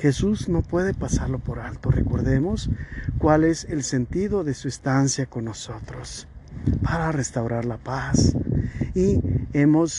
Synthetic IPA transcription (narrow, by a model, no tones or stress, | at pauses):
xe̞suzno̞pwe̞ðe̞pasaɾlo̞po̞ɾalt̪o̞re̞̰ko̞ɾðe̞mo̞skwale̞se̞lse̞nt̪iðo̞ðe̞suest̪ansjako̞nːo̞so̞t̪ɾo̞s | paɾare̞st̪awɾaɾlapas | ie̞mo̞s